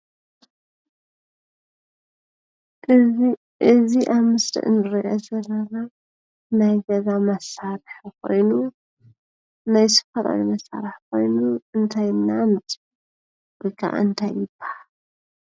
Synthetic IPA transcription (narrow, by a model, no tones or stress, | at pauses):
ʔɨzi | ʔɨziʔaβmɨsɾḭʔɨnɨɾiʔozɐɾɐβa | najɡɐzamɐsːaɾħkʰo̞̰jnu | najsɨ̥fɐt̪ʼa̰βimɐsa̰ɾɨħkʰo̞jnuɨnt̪ʰajɨnːanɨt̪ | b̥ɨkʰːa̰ʔɨnt̪ʰajːɪbaa